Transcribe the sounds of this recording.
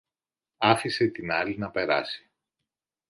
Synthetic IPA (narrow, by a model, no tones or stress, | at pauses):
ɐfiset̪inɐlinɐpe̞ɾɐ̰si̥